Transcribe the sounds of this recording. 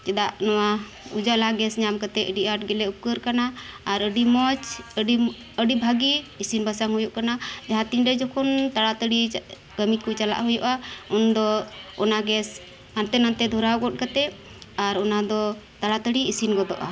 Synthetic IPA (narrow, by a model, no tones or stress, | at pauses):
t͡ʃɛd̪aʔnɔwa | ud͡ʒalaɡɛsɲamkat̪ɛəɖiaʈ̚ɡɛlɛukəɾkanaːɾəɖimɔt͡ʃəɖi | əɖibʱaɡiːsinbasaŋɦujuʔkanad͡ʒaɦãt̪iɲɾɛd͡ʒɔkʰɔnt̪aɽat̪əɽi | ɡ̥əmit̪̚kut͡ʃala̰ʔɦujṵʔaund̪ɔɔnaɡɛs | ant̪ɛnant̪ɛd̪ʱuɾawɡɔt̚kat̪ɛ | aɾɔnad̪ɔt̪aɽat̪əɽiisinɡɔd̪ɔ̰ʔa̰